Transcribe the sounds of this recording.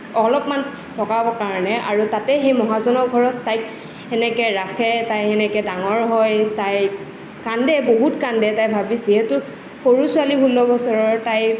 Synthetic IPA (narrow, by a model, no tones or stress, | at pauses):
ɔlɔpman | tɔkabɔkaɹɔnɛa̰ɹutatɛxejmɔɦazɔnɔkɡʱɔɹɔtːajk | ɛnɛkɛɹakʰɛtajɛnɛkɛdaŋɔɹɦɔjtaj | kandɛboɦutkandɛtajbʱabiziɦetʊ | xoɹusʊaliɦulɔbɔsɔɹɔɹtaj